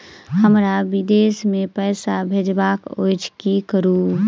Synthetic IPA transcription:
həmɾabid̪esmepəɪsabʱed͡ʒbako̰jt͡ʃʰkikəɾu

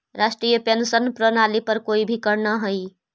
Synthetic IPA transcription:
ɾasʈɾijəpensənpɾənalipəɾkoːibʱikəɾnaɦoi

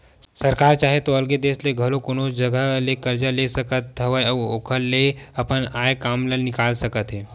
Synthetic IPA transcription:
səɾkaɾt͡ʃaɦet̪oəlɡed̪esleɡʱəlokoñod͡ʒəɡʱəlekəɾd͡ʒəlesəkət̪̚ːʰəʋəjəo̰kʰəlːeəpəɳajkamlənikalsəkət̪ɦe

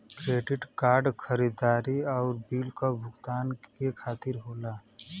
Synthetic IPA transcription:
kɾeːɖɪʈkaːɾɖkʰəɾiːd̪aːɾiɔːɾbiːlkabʱʊɡt̪aːnkekʰaːt̪ɪɾɦoːlaː

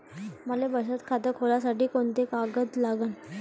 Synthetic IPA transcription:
məlebəsət̪kʰat̪əkʰolasaʈiːkoɳt̪ekaɡət̪laɡən

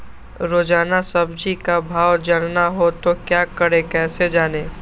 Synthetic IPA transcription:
ɾoːd͡ʒaːnasɐbd͡ʒʱikabʱaːwd͡ʒɐɽnaɦot̪okjaːkəɽekɛːsed͡ʒaːneː

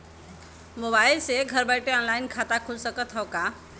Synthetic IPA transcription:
mobailseɡʱəɾbaɪʈeɔnlainkʰat̪akʰud͡ʒsəkət̪ɦɔka

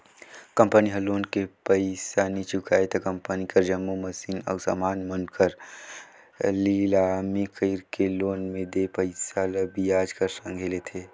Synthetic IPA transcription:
kə̃mpəniɦɐloːnkepəɪsanit͡ʃʊkaːet̪ɐkɐ̃mpənikəɾd͡ʒəmːuməsiːnɔ̰ːɾsa̰ːmaːnmənkəɾ | lilamikəɪɾkeloːnmẽd̪epəɪsaləbijaːd͡ʒkəɾsə̃ŋɡʱelet̪ʰeː

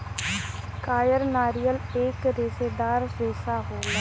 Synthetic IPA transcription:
kaːjəɾnaːɾijəleːkɾɪsed̪aːɾseːsaːɦoː

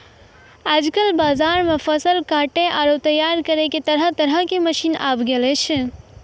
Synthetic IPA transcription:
ad͡ʒkəlbaːzaɾmepʰəsəlkaʈeʔaɾot̪əjːaɾkəɾeket̪əɾət̪əɾəkeməʃina̰bɡelɛt͡ʃʰɛ

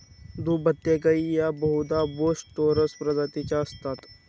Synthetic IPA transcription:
d̪ubət̪ːekɐijabəɦud̪aboːsʈʈ̪oːɾəspɾɐd̪at̪it͡ɕast̪at̪

